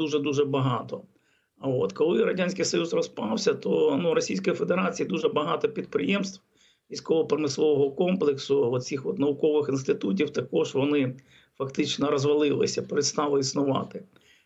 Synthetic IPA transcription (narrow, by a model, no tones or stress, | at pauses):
d̪uʒɛd̪uʒɛbɐɦɑt̪ɔ | ot̪kɔlˠɪɾɐdʲanʲsʲkɪjsɔjusrɔspɑwsʲɐt̪ɔnuɾɔsʲijsʲkɔjifed̪eɾɑt͡sʲijid̪uʒɛbɐɦɑt̪ɔpʲid̪̚pɾɪjemst̪w | ʋʲijsʲkɔʋɔpɾɐmɪslˠɔʋɔɦɔkɔmplˠɪksʊɔt̪t͡sʲixʋɔt̪nɐʋʊkɔʋɪxɪnst̪ɪt̪ut̬ʲiwt̪ɐkɔʒʋɔnɪ | fɐkt̪ɪt͡ʃnɔɾɔzʋɐlˠɪlˠɪ̰sʲɐpeɾɪd̪st̪ɑlˠɪisnʊʋɑ̰t̪ɪ